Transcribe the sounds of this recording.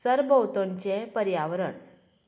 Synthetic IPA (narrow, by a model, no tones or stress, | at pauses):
səɾbəwt̪õɲt͡ɕẽpəɾjaʋɾəɳ